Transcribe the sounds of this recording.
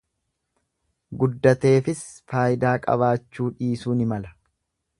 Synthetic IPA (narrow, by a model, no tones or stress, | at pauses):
ɡʊd̪ːɐt̪e̞ːfɪsfaːjɪd̪aːkʼɐ̰βaːt͡ʃːuːᶑiːsuːnɪmɐlɐ